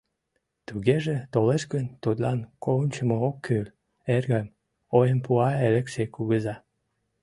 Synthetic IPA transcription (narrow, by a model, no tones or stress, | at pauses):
t̪uɣeʒet̪oleʃkənt̪ut̪lɑnkoənʲt͡ɕəmookʰːyl | erɣəm | ojəmpuɑelekʃekuɣəzɑ